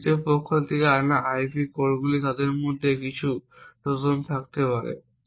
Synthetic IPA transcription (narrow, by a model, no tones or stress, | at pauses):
t̪epokʰːolt̪ʰekeanaʔajpikoɾɡulit̪ad̪eɾmod̪ʱːekit͡ɕʰu | ʈod͡ʑont̪ʰak̚t̪epaɾḛ